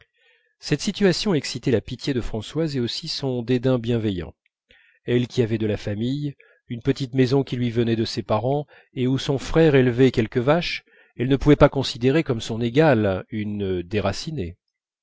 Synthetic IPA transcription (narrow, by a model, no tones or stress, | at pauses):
sɛt̪sit̪ɥasjɔ̃ɛksit̪ɛlapit̪ʰjed̪əfχɑ̃swazeosisɔ̃d̪ed̪ɛ̃bjɛ̃vɛjɑ̰̃ | ɛlkʲiavɛd̪əlafamij | ynpət̪it̪mezɔ̃kʲilɥivənɛd̪əsepaʁɑ̃ | eusɔ̃fχɛʁelvɛkʲɛlkəvaʃ | ɛlnəpuvɛpakɔ̃sid̪eʁekɔmsɔ̃neɡalynd̪eʁasine